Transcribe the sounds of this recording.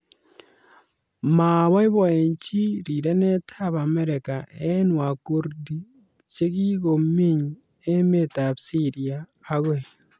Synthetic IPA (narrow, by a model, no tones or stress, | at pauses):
maβaiβoeɲt͡ʃiɾiɾenetʰaβameɾekaenwakuɾdi | t͡ʃekiɣomiɲ | emetaβsiɾiaːɣwe